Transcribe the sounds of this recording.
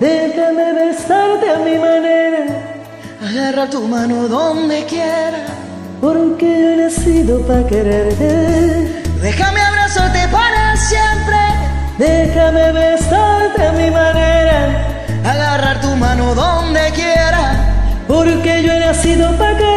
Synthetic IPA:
d̪exameβẽnsaɾt̪eamimaneɾa | aɣaraɾt̪umãnoðond̪ekjeɾa | poɾukeʝoenasiðopɾakeɾeɾt̪e | ðexameaβɾasot̪epanasjempɾe | d̪exameβensaɾt̪eamimaneɾa | aɣaraɾt̪umãnoðond̪ekjeɾapoɾkeʝoenasiðopake

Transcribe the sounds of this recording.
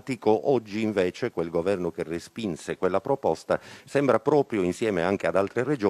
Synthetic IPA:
t̪ikoʔɔd͡ʒːiːɱveːt͡ʃekwelɡovɛrnokerespinsekwelːapɾopɔst̪asɛmbɾapɾɔːpɾjoinsjɛːmeaŋk̟ead̪alt̪ɾered͡ʒo

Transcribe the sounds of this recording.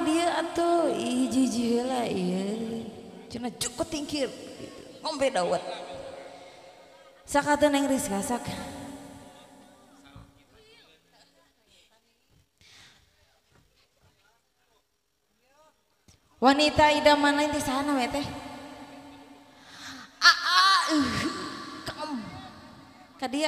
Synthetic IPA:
diəat̪oid͡ʒid͡ʒiɦəlaiə | t͡ʃunad͡ʒukɔt̪ːiŋkirŋɔmpɛdawat̪̚ | sakat̪̬unaiŋɾiskasak | wanit̪aidamanlaint̪isaanawɛt̪ɛh | ʔaʔaihkam | kadia

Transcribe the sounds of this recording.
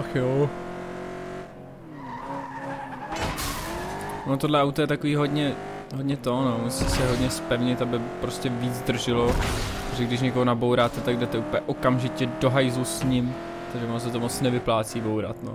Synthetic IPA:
axjo | onot̪o̞dlɛawt̪ojɛt̪akoviːɦo̞dɲɛ | ɦodɲɛt̪onomusisɛɦo̞dɲɛspɛvɲɪt̪abɪpɾoscɛviːd͡zd̪r̩ʒɪloptoʒɛɡdɪʃ̬ɲɛkoɦonabowɾaːt̪ɛt̪aɡ̚dɛt̪ɛupjɛʔokamʒɪcɛdo̞ɦajzusɲɪm | t̪aɡʒɛvonos̬ɛt̪omot͡snɛvɪplaːt͡siːbowɾa̰t̪no̰

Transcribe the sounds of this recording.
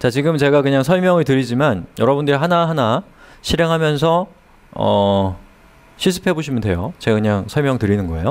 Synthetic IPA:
t͡ɕat͡ɕiɡɯmt͡ɕe̞ɡakɯɲaŋsʰʌɭmjʌŋɯɭtɯɾid͡ʑimanjʌɾʌbundɯɾiɦanaɦana | ɕʰiɾe̞ŋɦamjʌnsʰʌ | ʌ | ɕʰisʰɯ̥pʰe̞boɕ̬ʰimjʌndwe̞̰jot͡ɕe̞ɡakɯɲaŋsʰʌɭmjʌŋtɯɾinɯnɡʌe̞̰jo

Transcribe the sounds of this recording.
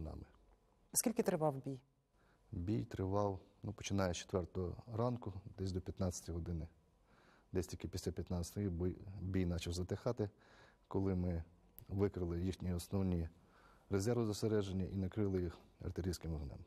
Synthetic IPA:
nɑ̰mɪ | skʲilʲkɪt̪ɾɪʋɑwbʲij | bʲijt̪ɾɪʋɑwnupɔ̥t͡ʃɪnɑjɛt͡ʃe̥t̪ʋɛrt̪ɔɦɔ̰ɾɑnkʊd̪ɛsʲd̪ɔpʲjɐt̪nɑt͡sʲɐ̥tʲiɦɔd̪ɪnɪ | d̪ɛsʲt̪ʲikɪpʲisʲlʲapʲjɐt̪nɑt͡sʲɐ̥t̪ɔjibbʲijnɑt͡ʃɐwzɐt̪exɑt̪ɪ | kɔlˠɪmɪ | ʋɪkɾɪlˠɪjixnʲiɔsnɔwnʲi | rezɛɾʋɪzɐst̪eɾɛʒenʲːɐʔinɐkɾɪlˠɪjixɐ̰rt̪ɪɾʲijsʲkɪmɔɦnɛ̰m

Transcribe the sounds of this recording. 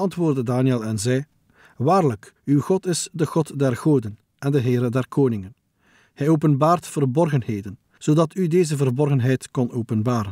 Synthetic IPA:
ɑntʋoːrdədaːniɛlˠɛnzɛj | ʋaːrləkywɣɔtɪsdəɣɔtdɛrɣoːdən | ɛndəɦɪːɾədɛrkʰoːnɪŋən | hɛjoːpənbaːrtfərbɔrɣənheːdən | z̥oːdɑtʰydeːzəvərbɔrɣənɦɛjtkɔnoːpənbaːɾə

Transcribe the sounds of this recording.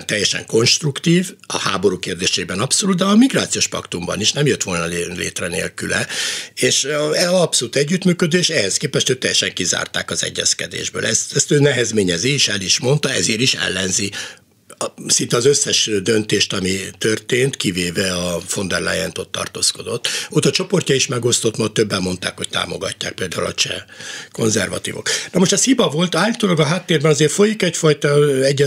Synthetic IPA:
nt̪ɛjːɛʃɛ̰ŋko̞nʃt̪rukt̪iːvɒ̰haːbo̞ɾuːkeːrd̪eːʃeːbɛnɒpsoluːt̪̚d̪ɛɒmiɡraːt̪sijoːʃpɒ̰kt̪umbɒ̰niʃnɛmjøt̪ʋo̞lnɒlḛːt̪rɛnḛːlkylɛeːʃɛɒpsoluːt̪ɛɟːyt̪myːkød̪øːʃɛhɛskeːpɛʃt̪øːt̪ːɛjːɛʃɛŋkiza̰ːrt̪a̰ːkɒzɛ̰ɟːɛskɛd̪ḛːʒbø̰ːlʔɛst̪ɛst̪øːnɛɦɛzmeːɲɛziiʃɛliʃmo̞nt̪ɒɛzeːɾiʃɛ̰lːɛnzi | sint̪ɛɒzøsːɛʃd̪ønt̪eːʃt̪ɒmit̪ørt̪eːnt̪kiveːvɛɒfo̞nd̪ɛrla̰ːjɛnt̪o̞t̪ːɒ̰rt̪o̰ːsko̞d̪o̞t̪ːot̪ɒt͡ʃo̞po̞rcʲɒiʃmɛɡo̞st̪o̞t̪mɒt̪ːøbːɛmːo̞nt̪a̰ːkho̞c̚t̪a̰ːmo̞ɡɒ̰cːa̰ːk̚peːld̪a̰ːulɒ̰t͡ʃɛ̰ko̞nzɛrvɒ̰t̪ḭːvo̞̰knɒmoʃt̪ɛshibɒvo̞lt̪aːlːit̪oːlɒɡɒɦaːt̪ːeːrbɛnɒzeːrfo̞jikɛcfɒjt̪ɒɛɟːɛ

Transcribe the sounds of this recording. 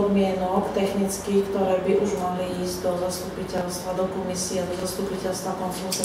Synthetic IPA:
d̪mɪɛnɔkt̪ɛxnit͡skiːkt̪ɔɾɛːbiʔuʒmaliiːzɟd̪ɔzast̪upicɛlst̪ʋad̪ɔkɔmisiɛd̪ɔzast̪upicɛlst̪ʋakɔnfɛɾɛnt͡sɛ

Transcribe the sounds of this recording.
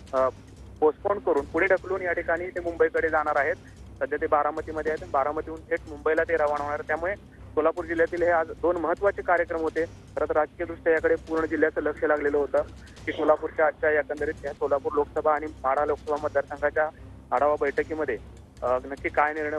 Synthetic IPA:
posʈpoɳɖkəɾuːnpuɽeɖʱəkluːnjaʈikaɽ̃iːt̪emumbəikəɽed͡zaɽ̃aɾaɦet̪̚ | səd̪ʱjat̪ebaɾamət̪iːməd̪ʱːeaɦet̪abaɾamət̪iuːnɦeʈmumbəilat̪eɾaʋəɽ̃ʋɳ̃aɾat̪jamuɭe | solapuːɾd͡ʑiljat̪iːlɦead͡zd̪onməɦət̪ːʋat͡sekaɾjəkɾəmɦot̪e | k̪ʰəɾət̪ɾad͡zkijəd̪ɾuʂʈjəjakəɽepuːɾɳəd͡ʑil̤jat͡sələkʂəlaɡleləːɦot̪əː | kiːsolapuːɾt͡ɕjaəːɕajakənd̪əɾiːt̪ɦjasolapuːɾlokəsəbʱaːɽ̃imaɽ̤aloksəbʱaməd̪ʱːjaɾsə̃ŋɡʰat͡ɕja | aɽ̤aʋabəjʈʰəkiːməd̪ʱːje | nəkːiːkːajniɾɳ

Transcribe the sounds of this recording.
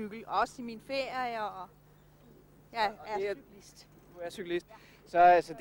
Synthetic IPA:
yɡ̥l̩ɒ̽siminfeɐ̰jɐjɒɒ̽ | jææ̥isd̥ | æɐsyɡ̥lisd̥ | sɒ̽sɒd̥

